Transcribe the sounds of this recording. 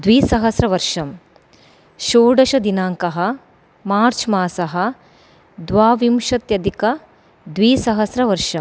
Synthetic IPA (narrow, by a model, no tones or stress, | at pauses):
d̪ʋiːsɐɦɐsɾɐʋɐɾʂɐm | ʃoːɖɐʃɐd̪inaːŋkɐɦɐ | maːɾt͡ʃʰmaːsɐɦɐ̆ | d̪ʋaːʋimʃɐt̪jɐd̪ikɐ | d̪ʋiːsɐɦɐsɾɐʋɐɾʂɐm